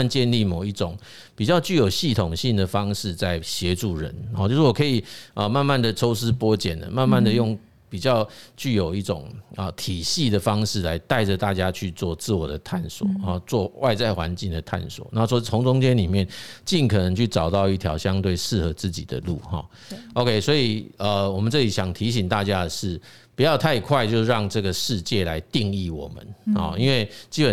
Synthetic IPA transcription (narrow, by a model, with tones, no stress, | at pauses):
nt͡ɕjɛ˥˧nli˥˩mo˨˩ʊi˥˩ʈ͡ʂʊ˨˩ŋ | pi˨˩t͡ɕjɑ˥˧ʊt͡ɕy˥˩jo˨˩ʊɕi˥˩t̪ʰʊ˨˩ŋɕi˥˩ŋd̪ə˩fɑ˦˥ŋʂɻ̩˥˧t͡sa˥˩ɪɕjɛ˧˦ʈ͡ʂu˥˩ɻə̰˧˦n˨˩t͡ɕo˥ʊʂwɔ˨˩kʰɤ˧˥i˨˩ə˨˩ma˥˧nma˥˩nd̪ə˨˩ʈ͡ʂʰo˥ʊsɹ̩˥pwɔ˥t͡ɕjɛ̰˨˩nə̰˦ma˥˧nma˥˩nd̪ə˨˩jʊ˥˩ŋ | pi˨˩t͡ɕjɑ˥˧ʊt͡ɕy˥˩jo˨˩ʊi˥˩ʈ͡ʂʊ˨˩ŋə˨˩t̪ʰi˨˩ɕi˥˩d̪ə˩fɑ˥ŋʂɻ̩˥˩la˧˦ɪt̪a˥˩ɪʈ͡ʂə˨˩t̪a˥˩t͡ɕja˦t͡ɕʰy˥˧t͡swɔ˥˧t͡sɹ̩˥˩wɔ˨˩d̪ə˦t̪ʰa˥˩nswɔ̰˨˩˦t͡swɔ˥˧wʔa˥˧ɪt͡sa˥˩ɪxwa̰˧˦nt͡ɕi˥˩ŋd̪ə˩t̪ʰa̰˥˩nswɔ̰˨˩˦na˧˥˩ʂwɔ˥t͡sʰʊ˧˥ŋt͡sʊ˥ŋt͡ɕjɛ˥nli˨˩mjɛ˥˨nt͡ɕi˥˩nkʰɤ˨˩nə˧˦ŋt͡ɕʰy˥˩ʈ͡ʂɑ˨˩ʊt̪ɑ˥˧ʊi˥˩t̪ʰjɑ̰˧˥ʊɕjɑ˦ŋt̪we˥˩ɪʂɻ̩˥˩xɤ˧˥t͡sɹ̩˥˩t͡ɕḭ˨˩d̪ə̰˦lu˥˩xɔ̰˥˩ | o˥ʊkʰe˥ɪswɔ˧˥i˨˩ə˨wɔ˨˩mə˨nt͡sɤ˥˩li˨˩ɕjɑ˨˩ŋt̪ʰi˨˥ɕ̬i˨˩ŋt̪a˥˩t͡ɕja˦˥əʂɻ̩˥˩ | pu˨˩jɑ˥˧ʊt̪ʰa˥˧ɪkʰwa˥˧ɪt͡ɕjo˥˧ʊʂ̩˥˧ɻɑ˥˧ŋʈ͡ʂɤ˥˩ɡə˩ʂɻ̩˥˧t͡ɕjɛ˥˩la˧˦ɪt̪i˥˧ŋi˥˩wɔ̰˨˩mə̰˨˦nɔ̰˧i˥nwe˥˩ɪt͡ɕi˥pə˨